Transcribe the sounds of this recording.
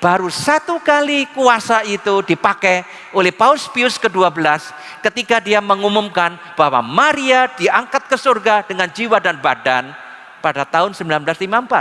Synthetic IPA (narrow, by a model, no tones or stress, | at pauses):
b̥aɾusat̪ukalikuasait̪udipakɛ | olɛhpaʊlspiʊskəduabəlas | kət̪ikadiaməŋumumkan | b̥aɦwa̰maɾiad̥iaŋkat̪̚kəsurɡadəŋand͡ʒiwadanbadan | padat̪aʊnsəmbilanblaslimampat̪̚